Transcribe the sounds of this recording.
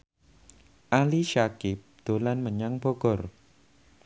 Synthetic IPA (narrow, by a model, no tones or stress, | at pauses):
ʔaliʃakɪp̚d̪̥o̤lanməɲaŋb̥oɡ̥ɔr